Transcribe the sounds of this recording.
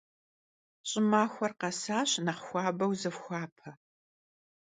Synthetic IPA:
ɕʼɪmaːxʷɐrqɐsaːɕnɐχxʷɑːbɐwzɨfxʷɑːpʰɐ

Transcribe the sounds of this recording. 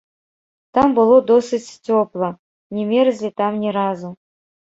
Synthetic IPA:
t̪ɑmbɨlˠod̪osɨt͡ɕʲtʲoplˠɤ | nʲemʲeɾzʲlʲet̪ɑmnʲeɾɑzu

